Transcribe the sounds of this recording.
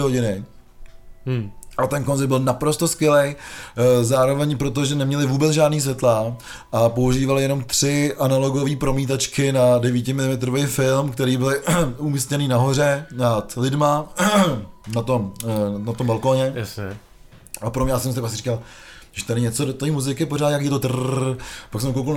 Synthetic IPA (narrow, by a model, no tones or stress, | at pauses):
ɦoɟɪnɪ | ʔat̪ɛnkonzɛbɪlnapɾo̞st̪o̞skʋɪlej | zaːɾo̞vɛɲpɾot̪̬oʒɛnɛmɲɛlɪvuːbɛt͡sʒaːdniːs̬vʲɛt̪la | ʔapo̞uʒiːvalɪjɛno̞mt̪r̥ɪʔanalo̞ɡoviːpɾo̞miːt̪at͡ʃkɪnadɛviːcɪmɪlɪmɛt̪ɾovejfɪlmkt̪ɛɾiːbɪlumiscɛniːnaɦo̞r̝ɛnat̪lɪdma | nat̪omnat̪ombalkoːɲɛjsɛ | apoɾomɲjasɛmst̪ɾakpaksɪri̥ːkal | ɪʃt̪ɛnɛɲɛt͡sodot̪oiːmuzɪkɪpoɾaːt̪jakiːjɛt̪ot̪ | paksɛmkowkal